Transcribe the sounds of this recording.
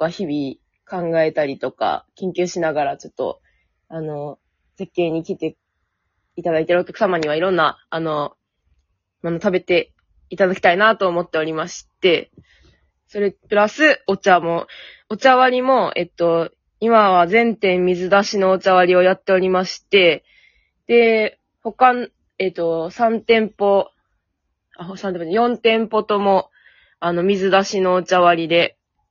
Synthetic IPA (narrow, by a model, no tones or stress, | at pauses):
βaçibʲi | kãŋɡae̞t̪aɾʲit̪o̞ka̰kʲẽŋkʲɨːɕinaɡaɾat͡ɕo̞̥t̪ːo̞̰ | ano̞ | se̞kʲːẽ̞ɲ̟ːikʲit̪e̞ | it̪ad̪ait̪eɾɯokʲakɯ̟samaɲ̟iβ̞aiɾõ̞nːaːno̞ | monot̪abe̞t̪e̞ | it̪ad̪akʲi̥t̪ainat̪o̞ːmo̞t̪ːe̞o̞ɾʲimaɕi̥t̪e̞ | so̞ɾe̞pɯ̟ɾasɨo̞t͡ɕamo̞ | ot͡ɕaβaɾʲimo̞e̞̰t̪ːo̞ | imaβazẽ̞nt̪ẽ̞mːʲizɨd̪aɕino̞ːt͡ɕaβaɾʲio̞jat̪ːe̞o̞ɾʲimaɕi̥t̪e̞ | d̪̥e̞ | ho̞kan | e̞t̪ːo̞sãnt̪ẽ̞mpo̞ | aosãnepojõ̞nt̪ẽ̞mpo̞t̪o̞mo̞ | ano̞mʲizɨd̪aɕino̞ːt͡ɕaβaɾʲid̪e̞